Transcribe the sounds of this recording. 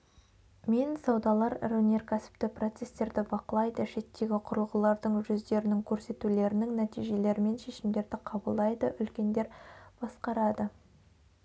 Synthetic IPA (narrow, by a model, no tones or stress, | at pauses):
mensɑwd̪ɑlˠɑɾrɵne̞rkʲʰæsɪ̥p̚t̪ɪpro̞t̪se̞st̪e̞ɾd̪ɪbɑqəlˠɑjd̪əʃe̞t̪ːe̞ɡʲɪqʰʊɾəlˠʁəlˠɑɾd̪əɴʒʏzd̪e̞ɾɪnɪŋkʲʰɵɾse̞t̪ule̞ɾɪnɪŋnæt̪ijʒe̞le̞ɾɪme̞nʃe̞ʃɪmd̪e̞ɾd̪ɪqʰɑbəlˠd̪ɑjd̪əʔʏlkʲe̞nd̪e̞ɾb̥ɑsqɑɾɑd̪ə